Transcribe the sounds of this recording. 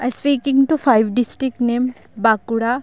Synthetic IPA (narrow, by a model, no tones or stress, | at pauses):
aspiːkɪ̃ŋɡʈufaɪʋɖɪsʈɾɪknẽːm | bakuɽa